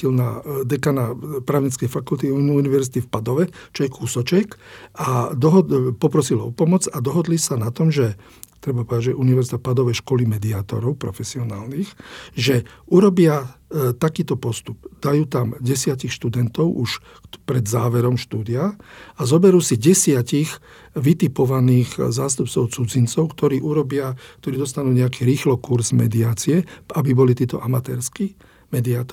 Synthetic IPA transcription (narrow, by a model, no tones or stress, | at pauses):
ilnad̪ɛkanapɾaːʊɲɛt͡skɛjfakult̪iuuniʋɛɾzit̪ifpad̪ɔʋɛt͡ʃɔjɛkʰusɔt͡ʃɛkad̪ɔɦɔpɔpɾɔsilɔ̰pɔmɔd͡zad̪ɔɦɔd̪lisanat̪ɔmʒɛ | t̪ɾɛbapɔʋɛd̪aɟʒɛʔuniʋɛɾzit̪ɔpad̪ɔʋɛʃkɔlimɛd̪iaːt̪ɔɾɔʊpɾɔfɛsiɔnaːlnixʒɛuɾɔbɪat̪akiːt̪ɔpɔst̪ubd̪̥ajuːt̪amɟɛsɪacixʃt̪ud̪ɛnt̪ɔʊʔuʃ | pɾɛd̪zaːʋɛɾɔmʃt̪uːd̪iaazɔbɛɾuːsiɟɛsɪacix | ʋit̪ipɔʋaniːɣzaːst̪up̚t͡sɔʊt͡sud͡zint͡sɔʊkt̪ɔɾiːʔuɾɔbɪak̚t̪ɔɾiːd̪ɔst̪anuːɲɛakiːɾiːxlɔkuɾzmɛ̰d̪iaːt͡siɛabibɔlit̪iːt̪ɔʔamat̪ɛːɾskiː | mɛd̪iaːt̪ɔ